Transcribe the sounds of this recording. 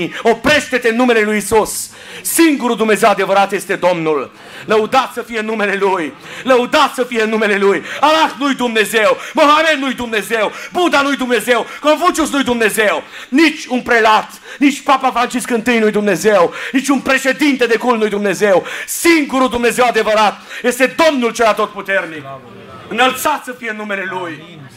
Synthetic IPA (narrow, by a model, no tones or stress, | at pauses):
opɾe̞ʃt̪et̪eɨnːume̞le̞lujisus | siŋɡuɾuld̪umne̞ze̞wad̪e̞vəɾat̪je̞st̪e̞d̪o̞mnulː | əud̪at̪səfijeɨnːume̞le̞luj | ləud̪at̪səfijeɨnːume̞le̞lujalafnujd̪umne̞zewmoɦamenːujd̪umne̞zewbud̪anujd̪umne̞zewkonfunt͡ʃus̬nujd̪umne̞zew | nit͡ʃʲunpɾe̞lat̪ | nit͡ʃʲpapafɾant͡ʃiskɨnt̪ɨjnujd̪umne̞zewnit͡ʃʲunpɾe̞ʃe̞d̪int̪e̞d̪e̞kulnujd̪umne̞zewsiŋɡuɾud̪umne̞ze̞wad̪e̞vəɾat̪je̞st̪e̞d̪o̞mnult͡ʃeɾat̪o̞t̪̚put̪e̞rnik | ɨnəlt̪sat̪səfijeɨnːume̞le̞luj